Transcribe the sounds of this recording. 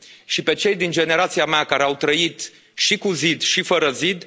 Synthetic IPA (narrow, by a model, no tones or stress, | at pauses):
ʃipe̞t͡ʃe̞jd̪ind͡ʒe̞ne̞ɾat̪siameakaɾeawt̪ɾəit̪ | ʃikuzid̪ʃifəɾəzid̪